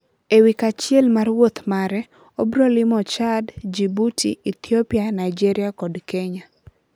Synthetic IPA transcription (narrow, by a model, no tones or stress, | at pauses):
ewikat͡ʃjɛlmarwot̪maɾɛ | obɾolɪmɔt͡ʃadd͡ʒibutḭit̪ʰjopianajd͡ʒɛɾiakɔdkeɲa